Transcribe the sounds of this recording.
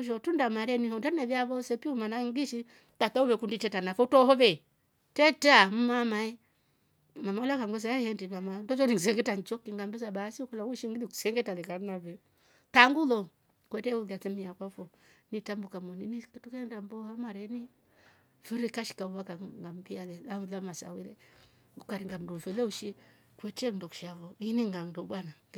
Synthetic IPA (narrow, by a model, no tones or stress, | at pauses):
ʃɔtundamaɾɛnihɔndanɛvjaβɔsɛpiumanaŋɡiʃi | tatauβɛkunditɛtanafɔtɔhɔvɛ | tɛtam̩mamaɛ | mamaulakaŋɡɔs̬aɛhɛndimamandɔʃɔniŋs̬ɛŋɡɛtant͡ʃɔkiŋɡambɛs̬aɓasiukɔlawuʃiŋɡilikusɛŋɡɛtalɛkaɾnavɛ | taŋɡulo | kwɛtewuɡat͡sɛmijakwafo | nitambukamoninikitukendambohamaɾeni | viɾikaʃi̥kauwakaŋɡambialɛlaulamasa̰wiɾɛ̰ | ukaɾiŋɡamdofɛleuʃi | kʷɛtendokʃavoiniŋɡaŋdobana